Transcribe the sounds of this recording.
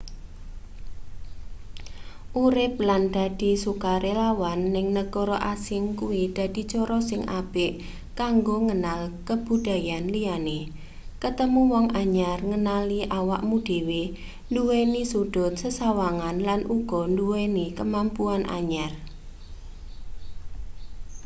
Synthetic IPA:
ʔuɾɪp̚land̪̥a̤d̪̥i̤sukaɾelawanːɪŋnəkɔɾɔʔasɪŋkuwid̪̥a̤d̪̥i̤t͡ʃɔɾɔsɪŋʔab̥ɪʔ | kaŋɡoŋənalkəb̥ṳd̥a̤janlijane | kət̪əmuwɔŋʔaɲarŋənaliʔawaʔmud̥e̤we | nduwenisuɖ̥ʊ̤t̪̚səsawaŋanlanʔuɡ̥ɔ̤nduwenikəmampuanʔa̰ɲar

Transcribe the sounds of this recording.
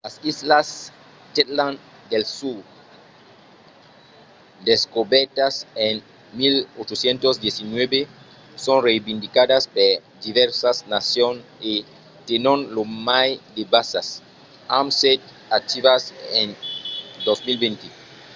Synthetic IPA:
lasislas | tet̪lãn | d̪elsuɾ | d̪eskobeɾt̪asen | milot͡ʃosjẽnt̪ozd̪jesinwebe | sõnrejbĩnd̪ikadaspeɾ | d̪iβeɾsasnasjone | t̪enõnlomajd̪ebasas | amset̪ | ak̚t̪iβasend̪osmilbẽnt̪i

